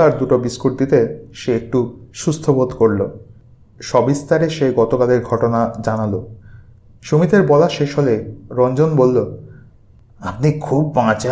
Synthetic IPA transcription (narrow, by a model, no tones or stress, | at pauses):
aɾd̪uʈobiskuɾ̚d̪it̪eʃeek̚ʈuʃust̪ʰobod̪koɾlo | ʃɔbist̪aɾeʃeɡɔt̪okaleɾɡʱɔʈonad͡ʑanalo | ʃomit̪eɾbɔlaʃeʃɦoleɾɔnd͡ʑonbolːo | apnikʰubːãt͡ɕa